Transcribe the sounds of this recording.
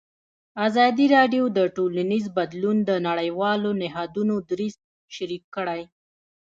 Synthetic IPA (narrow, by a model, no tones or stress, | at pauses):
azɑd̪iɾɑɖjod̪əʈolanizbad̪lund̪ənaɽəjwɑlonɪɦɑd̪unod̪ɾiz̚ | ʃaɾikːəɽaj